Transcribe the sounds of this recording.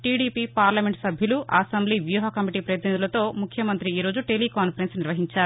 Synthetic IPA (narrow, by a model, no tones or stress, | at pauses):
ʈiːɽiːpiːpaːɾlɐme̞ɳʈsɐbʱjɐluʔɐːsɐmbliːʋjuːɦɐkɐmiʈiːpɾɐjɐt̪inid̪ulɐt̪o̞ːmukʰjɐmɐnt̪ɾiiːɾo̞ːd͡ʒuʈelikaːnpʰɐɾensniɾʋɐɦiɲt͡ʃaːɾu